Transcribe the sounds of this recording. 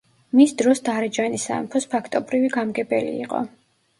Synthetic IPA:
misd̪ɾɔsd̪aɾɛd͡ʒanisa̰mpʰɔspʰakʰt̪ʼɔbɾiviɡamɡɛbɛlḭːqʼɔ̰

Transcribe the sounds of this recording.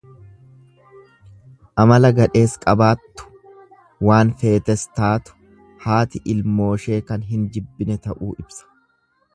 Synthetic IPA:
ʔɐmɐlɐɡɐᶑe̞ːskʼɐbaːt̪ːʊ̥ | waːnfe̞ːt̪ɛst̪aːt̪ʊ̥ | haːt̪ɪʔɪlmo̞ːʃe̞ːkɐnɦɪnd͡ʒɪbːɪnɛt̪ɐʔuːʔɪbsɐ̥

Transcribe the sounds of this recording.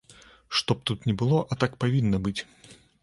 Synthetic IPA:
ʂt̪ɔp̚t̪ut̪nʲɛbɨlˠɔʔɐt̪akpavʲinːɐbɨt͡sʲ

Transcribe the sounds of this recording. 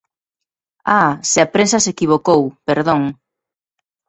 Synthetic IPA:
asɪapɾensɐsekiβokowpeɾðõŋ

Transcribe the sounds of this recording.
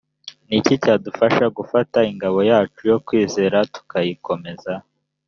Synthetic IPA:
nicicaːdufaʃaɡufataiŋɡaβo̞jaːt͡ʃujo̞kwiːze̞ːɾatu̥kajiko̞me̞za

